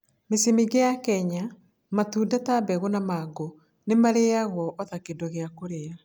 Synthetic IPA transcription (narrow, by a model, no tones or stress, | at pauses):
mesimiɡeakɛɲa | matuːdatabɛɣonamaːɡo | nemaɾeaɣwɔʔɔðakedoɣeakoɾea